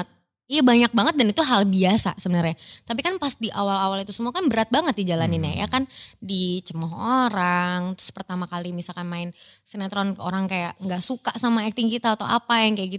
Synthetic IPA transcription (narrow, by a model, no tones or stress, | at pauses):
t̪̚ | ijabaɲak̚baŋət̪̚danit̪uɦalbiasa̰səbənərɲat̪ap̬ikanpasdiʔawalawalit̪usəmuakanbəɾat̪̚baŋət̪̚did͡ʒalaninja̰ja̰kandit͡ʃəmaɦoɾaŋt̪ɾʊ̥spərt̪amakalimisalkanmaɪnsənat̪ɾɔnkoɾaŋkajaʔŋɡaʔsukaʔsamaɛk̚t̪ɪŋkit̪at̪awʔapajaŋkajaʔɡit̪